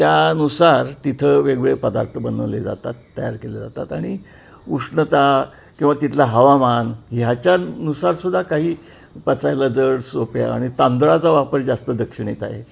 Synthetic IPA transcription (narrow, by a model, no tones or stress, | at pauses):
t̪janusaɾt̪it̪ʰəʋeɡɭepəd̪a̰ɾt̪ʰəbənəʋled͡za̰t̪at̪ːəjaɾkeled͡za̰t̪a̰t̪aɽ̃i | uʂɳət̪a | kĩw̃ʋat̪it̪ʰlaɦəʋamanɦjat͡ɕjanusaɾsud̪ʱːakaɦiː | pət͡sajlad͡zəɽsopja̰a̰ɽ̃it̪ãnd̪ɾat͡saʋapəɾd͡zast̪əd̪əkʂiɳet̪a̰ɦḛ